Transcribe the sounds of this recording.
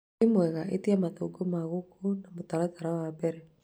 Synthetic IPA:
imwɛɣaʔḛtiamat̪oɡomaɣukunamot̪alataɾawabɛɾɛ

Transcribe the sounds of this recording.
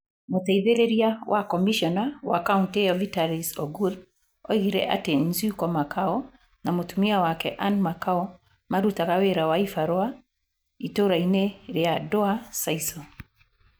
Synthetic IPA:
motaiðeɾeɾiawʔakɔmiʃɔnawa̰kaunteɔvitaɾisɔ̰ɡul | ɔiɣeɾɛ̰ʔa̰tenziukɔmakʰaɔ | namotumiawakɛʔanmakaɔ | maɾutakaweɾawaifaɾɔa | itoɾaineɾeadɔasaisɔ

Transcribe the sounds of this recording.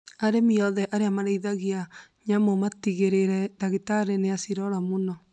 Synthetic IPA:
aɾemiɔðɛʔaɾeamaɾeiðaɣiaɲamomatiɣeɾeɾɛdaɣitaɾeneasiɾɔɾamonɔ

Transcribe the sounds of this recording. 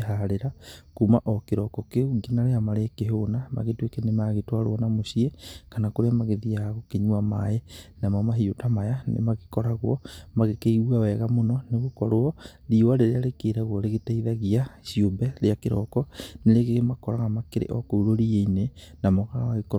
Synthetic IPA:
ɦaɾeɾakumaʔɔkeɾɔkɔkeuŋɡenaɾeamaɾekeɦonama̰ɣetwekenemaɣetwaɾo̰ɔnamoɕiɛkanakoɾeamaɣeðiaɣokeɲuamaenamamaɦiotamajanḛmaɣekɔɾaɣwɔmaɣekeiuawɛɣamonɔneɣokɔɾoɔɾiwaɾeɾeaɾekeːɾaɣwɔɾeɣetaiðaɣiaɕiombɛɾeakeɾɔkɔneɾeɣeɣmakɔɾaɣamakeɾḛʔɔkouɾoɾieinenamɔɣaɣekɔ

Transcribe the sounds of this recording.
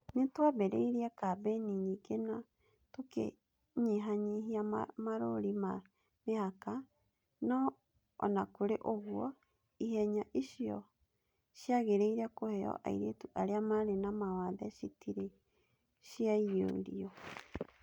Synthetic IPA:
netwabɛɾeiɾiɛkabɛniɲikena | tokḛ | ɲeɦaɲiɦiammaɾoɾima | mehaka | nɔ | ɔ̰nakoɾeʔoɣwɔ | ihɛɲaʔiʃijɔ̰ | ʃjaɣeɾeiɾakohɛɔ̰ʔa̰iɾetuʔaɾeamaɾenamawaðɛʃitʰiɾe | ʃiaio̰ɾiɔ

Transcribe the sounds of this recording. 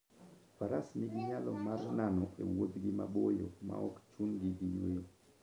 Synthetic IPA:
faɾasnɪɡɪɲalɔmarnanɔʔewod̪ɡɪmabojoma̰ɔkt͡ʃunɡiɡijwe

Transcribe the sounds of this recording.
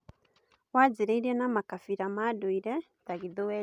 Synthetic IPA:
wad͡ʒiɾɛdjɛnamakafiɾamaduiɾɛ | taɡiðuwɛ

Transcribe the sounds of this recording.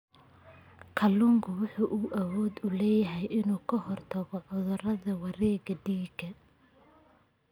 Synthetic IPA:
kʰɐlʊŋkʰʊwʊħuːʔuːʔɐwɔːd̪ʊlɛːjɐɦɛjʔɪnuːkʰɐhɔrt̪ʰɐɣɔʔɔðɔrɐðɐwɑɾɛːɡɐɖiːɡɐ

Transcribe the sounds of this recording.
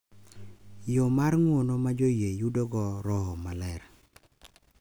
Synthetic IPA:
jomaɾŋwonɔmad͡ʒojejudoɡɔɾɔɦɔmalɛɾ

